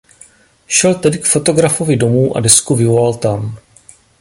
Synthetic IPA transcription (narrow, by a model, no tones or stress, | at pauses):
ʃɛlt̪ɛdɪkfo̞t̪o̞ɡɾafo̞vɪdomuːʔa̰dɛskuvɪvolalt̪am